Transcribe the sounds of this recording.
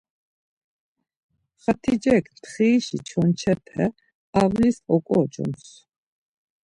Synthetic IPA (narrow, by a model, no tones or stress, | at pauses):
χat̪ʰid͡ʒɛkʰt̪ʰχiːʃit͡ʃʰɔnt͡ʃʰɛp̪ʰɛ̰ | avlisʼɔkʼɔt͡ʃɔ̰ns